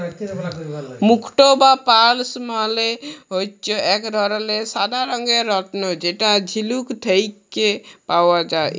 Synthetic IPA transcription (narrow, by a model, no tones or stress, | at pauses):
mukʰʈobapalsmaleɦojt͡ʃɔɛkɾʱɔɾlesad̪ʱaɾɔŋɡeɾɔʈnɔd͡ʒeʈad͡ʒʱilukt̪ʰejkːepawad͡ʒa̰